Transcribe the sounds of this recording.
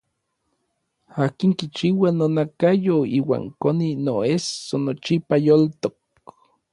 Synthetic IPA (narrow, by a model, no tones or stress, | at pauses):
aːkiŋkit͡ʃiwanonakajoiːwa̰ːŋkoninoesonot͡ʃipajolt̪ok̚